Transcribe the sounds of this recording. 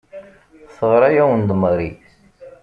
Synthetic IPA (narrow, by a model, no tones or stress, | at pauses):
θəʁɾˤajæwənd̪ˤməɾi